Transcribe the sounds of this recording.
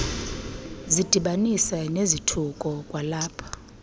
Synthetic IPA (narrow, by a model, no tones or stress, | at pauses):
zid̥ʱiɓanisɛnezitʰukʼɔkʼwalaːpʰḁ